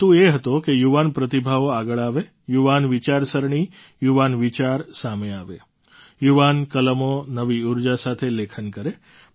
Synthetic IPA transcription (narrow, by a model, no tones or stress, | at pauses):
t̪ũeɦət̪okejuʋanpɾət̪ibʱaʋoaɡəɭaʋe | juʋanʋit͡ʃaɾsəɾɳi | juʋanʋit͡ʃaɾsameaʋe | juʋankələmonəʋiuɾd͡ʒasat̪ʰelekʰənkəɾe